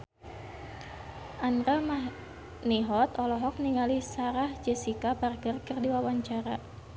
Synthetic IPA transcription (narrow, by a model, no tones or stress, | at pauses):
ʔanrama | niɦɔt̪ɔlɔɦɔk̚niŋalisaɾahd͡ʒɛsikabarɡərkərdiwawaɲt͡ʃaɾa